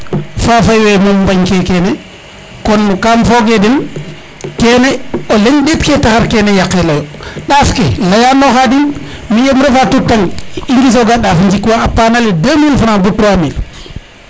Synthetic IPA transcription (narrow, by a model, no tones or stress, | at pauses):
fafajwemolmbaɲkekeːne | kɔnkamfoɡedin | keːneoleɲɗetketaxaɾkenejakːelojɗaːfkelajanːoxadin | mijemɾefatutːaŋiŋɡis̬oɡaɗafɲd͡ʒikːwaapːanaledəmilfanabutɾwamil